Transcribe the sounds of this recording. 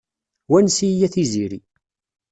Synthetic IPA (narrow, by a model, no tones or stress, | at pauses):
wænsijæθiziɾi